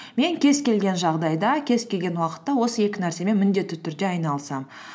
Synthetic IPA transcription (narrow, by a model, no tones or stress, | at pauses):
me̞ŋkʲʰe̞zkʲe̞lɡʲe̞nʒɑʁd̪ɑjd̪ɑkʲʰe̞zkʲe̞lɡʲe̞nwɑqə̥t̪ːɑwo̞səje̞kʲɪnæɾse̞me̞nmɪnd̪e̞t̪ːɪt̪ʰʏɾd̪e̞ɑjnɑlˠsɑm